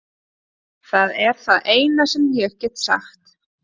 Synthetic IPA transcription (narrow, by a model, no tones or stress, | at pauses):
θaðɛɾ̥θaðeːjnasɛmljœhcɛt̪sa̰xt̪